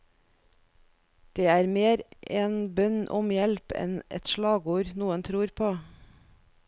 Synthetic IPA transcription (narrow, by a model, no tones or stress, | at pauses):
d̪̥eːæːɾmeːɾʔeːnbœnʔʊmjɛlpɛ̰nʔɛ̰t̪ʃlɑːɡuːɾnuːənt̪ʰɾuːɾpʰoː